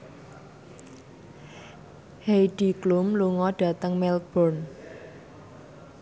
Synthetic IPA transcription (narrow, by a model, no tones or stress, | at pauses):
hejɖ̥i̤klumluŋɔɖ̥ä̤t̪əŋmɛlt̪̚b̥ɔrn